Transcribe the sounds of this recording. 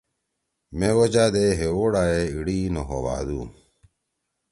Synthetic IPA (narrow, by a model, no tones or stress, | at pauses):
mewod͡ʑaːd̪eɦewoːɽaːeiɽiːnoɦoʋa̰ːd̪ṵː